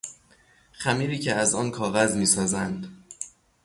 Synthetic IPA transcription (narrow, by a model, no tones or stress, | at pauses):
xæmiːɾiːcʰeæzɒːnkʰɒːɣæzmiːsɒːzænd̪